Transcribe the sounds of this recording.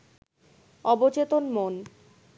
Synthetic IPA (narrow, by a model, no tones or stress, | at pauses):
ɔbot͡ɕet̪onmon